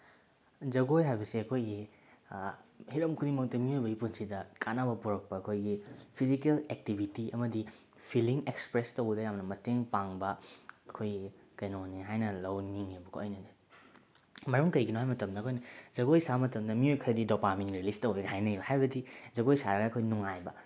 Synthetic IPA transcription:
zɐɡojɦajbɐsiɐkʰojɡi | hiɾɐmkʰudimɐk̚tɐmiojbɐɡipunsidɐkanɐbɐpuɾɐk̚pɐːkʰojɡipʰizikelek̚tibʱitiɐmɐdi | pʰiliŋekspɾestɐwɡɐdɐjamnɐmɐteŋpaŋbɐɐkʰoj | kɐjnoneɦajnɐlɐwniŋebɐkʰoojnɐde | mɐɾuŋkɐjɡinoɦajmɐtɐmdɐkʰojnɐzɐɡojsamɐtɐmdɐmiojkʰɐɾɐdidopamenɾilistɐweɡɐhajnɐjbɐhajbɐdizɐɡojsaɾɐɡɐːkʰojnuŋajbɐ

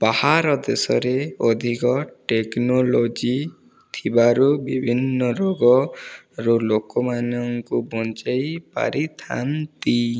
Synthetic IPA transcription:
bahaɾɔd̪esɔ̰ɾeod̪ʱikɔʈeknolod͡ʒi | t̪ʰibaɾubibʱinːɔɾoɡɔ | ɾulokɔmanɔŋkubɔnt͡ʃajpa̰ɾit̪ʰa̰nt̪i

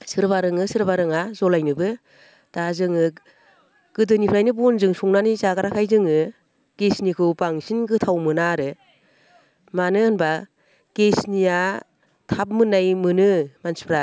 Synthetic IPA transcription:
sɯɾbaɾɯŋɯsɯɾbaɾɯŋazɔlajnɯbɯ | d̥azɯŋɯ | ɡ̥ɯdɯnipʰɾajnɯbɔnzɯŋsuŋnanizaɡaɾakʰajzɯŋɯ | ɡ̥esnikʰɯwbaŋsinɡɯtʰawmɯnaɾɯ | manɯɯnba | ɡ̥esnija | tʰap̚mɯnajmɯnɯmansi̥pʰɾa

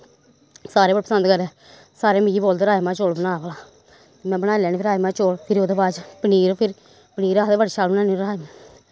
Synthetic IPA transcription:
saːɾeːəɽepəsə̃nd̪kəɾɛː | saːɾeːmĩd͡ʒiːboːld̪ɾaːemãːt͡ʃoːlbənaːbəlaː | t̪eːmɛ̃ːbənaːlɛːniːpʰɪɾaːemãːt͡ʃoːɽpʰɪɾoːd̪eːbaːd͡ʒpəniːɾpʰɪɾ | pəniːɾaːd̪eːʋəɖʃaːlbənaːniɾaːemã

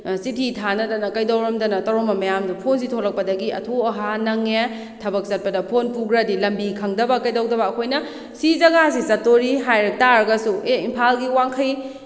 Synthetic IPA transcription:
sitʰitʰanɐdɐnɐkɐjdɐwɾɐmdɐnɐtɐwɾomɐmɐjamdupʰonsitʰolɐk̚pɐdɐɡiɐ̰tʰoɐɦanɐŋe | tʰɐbɐk̚zɐt̚pɐdɐpʰonpuɡɾɐdilɐmbikʰɐŋdɐbɐkɐjdɐwdɐbɐːkʰojnɐ | sizɐɡasizɐtːoɾiɦajɾɐk̚taɾɐɡɐsueimpʰalɡiwaŋkʰɐj

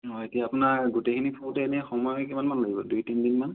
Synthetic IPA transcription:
ɔetijaːpʊnaɹɡutekʰinipʰutɛenɛxɔmɔjɛkimanmanlaɡibɔdujtindinman

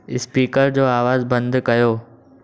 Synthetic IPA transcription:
ɪspiːkəɾd͡ʑoːaːʋaːzbɐ̃nd̪kɐjoː

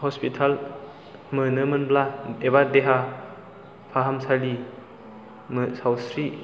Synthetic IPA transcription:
hɔspitʰal | mənɯmɯnblaeβadeɦa | pʰaɦamsali | məsawsɾi

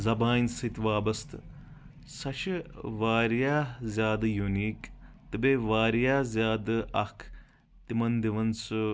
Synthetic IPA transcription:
zɐbaːnsit̪ʋaːbɐst̪ | sɐʃʋaːɾjaːzʲjaːd̪ɨjuniːkt̪ɨbeʋaːɾjaːzʲjaːd̪ɨɐkʰ | t̪imɐnd̪iʋɐnsɨ

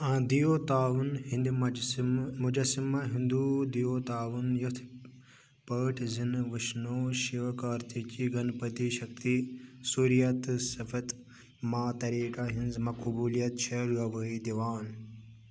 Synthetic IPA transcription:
ãːd̪ijoːt̪aːʋɐnɦĩnd̪im | mud͡ʒɐsimɐɦind̪uːd̪ijoːt̪aːʋɐnjɐt̪ʰ | pəːʈʰzinʋəʃnoːʃiʋɐkaːɾt̪it͡ʃiɡɐnpɐt̪iʃɐkt̪isuɾijɐt̪sɐfʰɐt̪ | maːt̪ɐɾiːkaɦinzmɐkubuːlijɐt̪̚t͡ʃʰɐɾɐʋəid̪iʋaːn

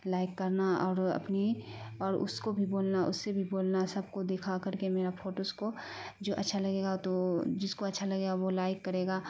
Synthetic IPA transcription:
laːɪkːɐɾnaɔːɾɐ̰pniɔːɾʊ̰skobʱiboːlnaʔʊ̰sːebʱiboːlnasɐb̚kod̪eːkʰakɐɾkemeːɾapʰoːʈosko | d͡ʒoːʔɐ̰tːʃʰalɐɡeːɡat̪od͡ʒɪskoɐtːʃʰalɐɡeːɡaʋolaːɪkːɐɾeːɡaː

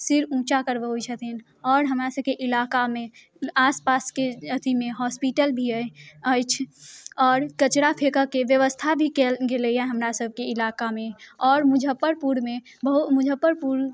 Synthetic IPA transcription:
sɪɾũt͡ʃakəɾbəɦuit͡ʃʰət̪in | ɔːɾɦəmɾasəb̚keʔɪlakame | aspaskeət̪imeɦɔspiʈəlbʱiəəjt͡ʃʰɔːɾkət͡ʃɾapʰekəkeʋjəʋəst̪ʰabʱikelɡeləjaɦəmɾasəb̚ʱkeilakameɔːɾmud͡ʒʱəpːəɾpuɾme | bəɦutmʊd͡ʒʱəpːəɾpuɾ

